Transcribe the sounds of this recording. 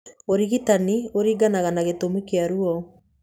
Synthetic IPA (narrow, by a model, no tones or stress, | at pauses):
oɾiɣitanioɾiːɡanaɣanaɣetomikeaɾuɔ